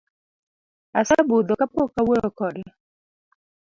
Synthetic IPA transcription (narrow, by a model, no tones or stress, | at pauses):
asabud̪ɔkapokaweɔkɔdɪ